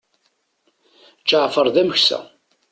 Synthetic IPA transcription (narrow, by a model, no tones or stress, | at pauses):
t͡ʃːaʕfəɾˤðæməçsæ̰